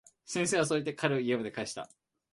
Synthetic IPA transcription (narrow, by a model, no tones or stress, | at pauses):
sẽɰ̃seːβas̬oɾet̪̬ːekʰaɾɯ̟iebɯd̪e̞kaiɕi̥t̪a̰